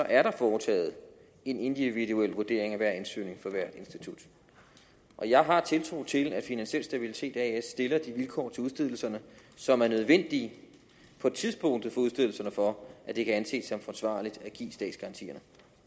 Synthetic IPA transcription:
sɒ̽ʔæɐɾ̥ɑ̈fɒːt͡sʰɛ̰ːð̞̩ˠ | e̝ne̝nd̥iʋiduel̰ʋuɐd̥e̝̰ɐ̰eŋæʋæɐ̰ensy̰ne̝ŋfɒ̽ʋæɐ̰d̥e̝nsd̥it͡sʰud̥ | ʔɒ̽jɑ̈ɪɦɑ̈t͡sʰe̝lt͡sʰʁo̝t͡sʰe̝læ̥finænɕel̰sd̥æb̥ilit͡sʰe̝̰ːd̥æesːd̥e̝lɐd̥iʋilkʰɒ̰ːt͡sʰe̝uð̞ˠsd̥e̝ð̞̰ˠl̩sɐnəsɒ̽mæɐnøð̞ˠʋen̰d̥i | pʰɒ̽t͡sʰiðˠsb̥ɔ̽ŋ̰d̥ð̩ˠfɒ̽uðˠsd̥e̝ðˠl̩sɐnəfɒ̽ʔæd̥e̝kʰæænse̝̰ːd̥sɒ̽mfɒsʋɑ̰̈ːlid̥æɡ̥ḭːsd̥ɛ̰ːd̥sɡ̥ɑ̈ɑ̈nt͡sʰḭːɐnə

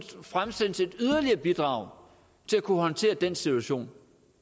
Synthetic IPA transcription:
fʁamsen̰se̝d̥yð̞ˠɐliɐb̥id̥ʁɑ̈ʊ̰ | t͡sʰe̝lækʰuhɒ̽nt͡sʰe̝̰ːɐd̥ensit͡sʰuæɕo̝̰ːn

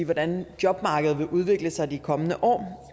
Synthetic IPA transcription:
ʋɒd̥ænd̥jɒ̽b̥mɑ̈ːɡ̥əð̩ˠʋe̝ʔuð̞ˠʋe̝ɡ̥ləsɑ̈ɪd̥ikʰɒ̽mənəʔɒ̰ː

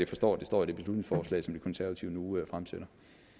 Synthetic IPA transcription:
jafɒ̽sd̥ɒ̰ːd̥e̝sd̥ɒ̰ːid̥e̝b̥e̝slud̥ne̝ŋsfɒːslɛ̰ɪsɒ̽md̥ikʰɒ̽nsæɐʋɐt͡sʰiʊənuøfʁamseɾ̥ɐ

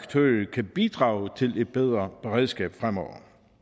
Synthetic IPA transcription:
ɡ̥t͡sʰø̰ːkʰæb̥id̥ʁɑ̈ːʊt͡sʰe̝le̝d̥̚b̥eð̞ˠʁɐb̥eʁeð̞ˠsɡ̥ɛ̰ːb̥fʁamɒʊ̰ɐ

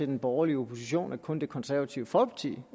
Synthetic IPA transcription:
e̝d̥enb̥ɒːɐliəopʰo̝siɕo̝̰ːnʔækʰɔ̽nd̥e̝kʰɒ̽nsæɐʋæt͡sʰiʊəfɒ̽b̥t͡sʰḭː

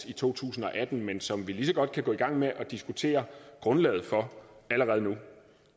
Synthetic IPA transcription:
it͡sʰo̝̰ːt͡sʰṵːsn̩ɒ̽ʔæd̥n̩mensɒ̽mʋilis̬ɒ̽ɡ̥ɒ̽d̥̚kʰæɡ̥ɔ̽ːiɡ̥ɑ̈ŋ̰meʔɒ̽d̥isɡ̥ut͡sʰe̝̰ːɐɡ̥ʁɔ̽nlɛ̰ːð̞̩ˠfɒ̽æləʁɛð̞̩ˠnu

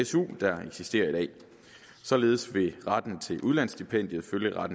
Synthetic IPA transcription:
esṵːd̥ɑ̈e̝ɡ̥sisd̥e̝̰ːɐid̥ɛ̰ː | sɒ̽le̝ːð̞̩ˠsʋe̝ʁɑd̥n̩t͡sʰe̝lʔuð̞ˠlæn̰sd̥ipʰen̰d̥jð̞̩ˠføljəʁɑd̥n̩

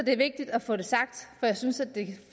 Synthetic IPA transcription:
d̥e̝ɐʋe̝ɡ̥̚d̥id̥æfɔ̽ːde̝sɑ̈ɡ̥̚d̥fɒ̽jɑ̈ɪsynsæd̥ːe̝

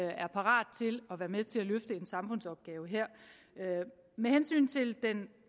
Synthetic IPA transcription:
æɐpʰɑ̈ʁɑ̰̈ːd̥t͡sʰe̝lɒ̽ʋæːɐmeðˠt͡sʰe̝læløfd̥əe̝nsɑ̈mfɔ̽n̰sɒ̽b̥̚ɡ̥ɛːʊəɦeɐ̰ | mehensy̰ːnt͡sʰe̝ld̥en

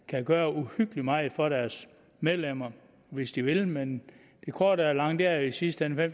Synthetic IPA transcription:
kʰæɡ̥ɶːɐuhyɡ̥limɑ̈ɪð̩ˠfɒ̽ɾæɐs | með̞ˠlem̰ɐ | ʋe̝sd̥iʋe̝lmen | d̥e̝kʰɒ̰ːd̥æɐlɑ̈ŋ̰d̥æɐisisd̥əenfem

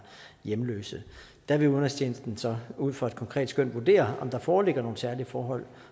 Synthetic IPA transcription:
jemlø̰ːsð̩ˠ | d̥æʋe̝oðnɐst͡ɕʰeːnsd̥n̩sɒ̽uð̞̰ˠfɒ̽ed̥̚kʰɒ̽ŋkʰʁɛ̰ːd̥sɡ̥øn̰ʋuɐd̥e̝̰ːɐɒ̽md̥ɑ̈fɒːle̝ɡ̥ɐno̝ːn̩sæɐliəfɒːɦɒ̽l̰

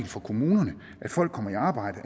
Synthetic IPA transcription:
lfɒ̽kʰo̝muːnɐnə | ʔæd̥fɒ̽l̰ɡ̥kʰɒ̽m̰ɐiɑ̈ːb̥ɑ̈ɪ̰d̥ə

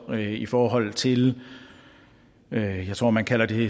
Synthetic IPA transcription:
ifɒːɦɒ̽l̰t͡sʰe̝l | øjɑ̈t͡sʰʁo̝̰mænkʰælɐd̥e̝

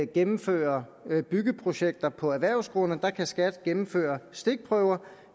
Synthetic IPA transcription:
ɡ̥emm̩fø̰ːɐ | b̥yɡ̥əpʰʁo̝ɕeɡ̥̚d̥ɐpʰɒ̽æʋæɐ̰ʊsɡ̥ʁɔnəd̥ɑ̈kʰæsɡ̥æd̥ɡ̥emm̩fø̰ːɐsd̥e̝ɡ̥̚pʰʁœʊɐ

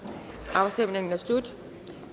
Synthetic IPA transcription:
ʔɑ̈bsd̥em̰neŋn̩æsd̥ud̥

